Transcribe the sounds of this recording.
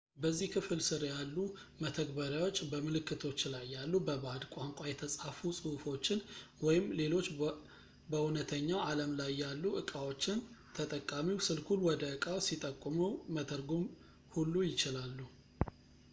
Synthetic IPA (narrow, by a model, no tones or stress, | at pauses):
bəzːihkʰɨfɨlsɨɾjalːu | mət̪ʰəɡ̚bəɾjawo̞t͡ʃːbəmɨlɨkːɨt̪ʰo̞t͡ʃːlajːalːubəbad̪kʷʼaŋkʷʼajɛt̪ʰəsʼafusʼɨufo̞t͡ʃːɪn | wɔjɪmle̞lo̞t͡ʃː | bəunət̪ʰəɲːawaləmlajːalːuʔɨkʼawo̞t͡ʃːɪnt̪ʰət̪ʼəkʼːamiwsɨlkʰulwɔd̪əɨkʼawsit̪ʼəkʼːumumət̪ʰəɾɡom | hulːujɪt͡ʃɪlalːu